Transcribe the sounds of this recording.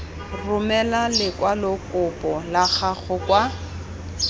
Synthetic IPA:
rʊmɛlalɪkwalɔkʼʊpʼɔlaχaɣʊkwa

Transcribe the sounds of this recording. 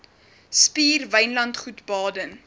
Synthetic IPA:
spiːrvəjnlɐntχutbɑːdən

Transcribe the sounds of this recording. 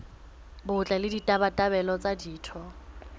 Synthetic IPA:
bʊt͡ɬʼalɪditʼabatʼabɛlɔt͡sʼadiːtʰɔ

